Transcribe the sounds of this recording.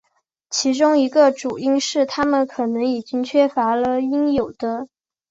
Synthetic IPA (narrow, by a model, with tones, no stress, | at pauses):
t͡ɕʰi˧˥ʈ͡ʂʊ˥ŋi˧˥ɡə˧ʈ͡ʂu˨˩i˥ŋʂɻ̩˥˩t̪ʰa˥mə˨nkʰɤ˨˩nɤ˧˥ŋi˨˩t͡ɕi˥ŋt͡ɕʰɥɛ˥fa˧˥lə˧i˥ŋjo˨˩ʊd̪ə˦